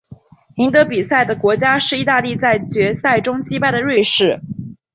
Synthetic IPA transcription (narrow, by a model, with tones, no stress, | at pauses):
i˧˥ŋt̪ɤ˧˥pi˨˩sa˥˩ɪd̪ə˩kwɔ˧˥t͡ɕja˥ʂɻ̩˥˧i˥˧t̪a˥˧li˥˧t͡sa˥˩ɪt͡ɕɥɛ˧˥sa˥˩ɪʈ͡ʂʊ˥ŋt͡ɕi˥pa˥˩ɪd̪ə˩ɻwe˥˧ʂɻ̩˥˩